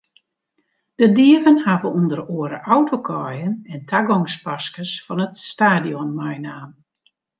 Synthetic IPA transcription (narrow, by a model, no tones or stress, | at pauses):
d̥ədiəvənhaːvəundəɾoːəɾəʔawtʰokʰɔjənɛntʰaɡɔŋspaskəsfɑnətstaːdiɔnmajnaːn